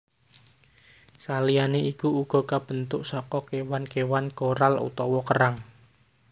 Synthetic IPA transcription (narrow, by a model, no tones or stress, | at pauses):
salijaneikuuɡ̥ɔ̤kab̥ə̤nt̪ʊʔsɔkɔkewankewankoɾalṵt̪ɔwɔkəɾaŋ